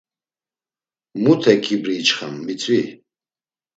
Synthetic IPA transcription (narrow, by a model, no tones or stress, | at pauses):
mut̪ʰɛkʰibɾiːt͡ʃχa̰mːit͡sʰʼwi